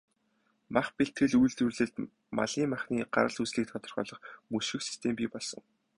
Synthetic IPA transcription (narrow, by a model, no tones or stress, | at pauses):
maχpeɬt̪ɡɘ̆ɮujɮt̪urɮɘ̆ɮt̪ | ma̰ɮiːmaχniːɢa̰ɾə̆ɮusɮiːk̚t̪ʰɔt̪ɞ̆rχɔ̰ːɮɞ̆χmɵʃɘ̆ksi̥st̪ʰempʲiːpɔɮsɞ̆ŋ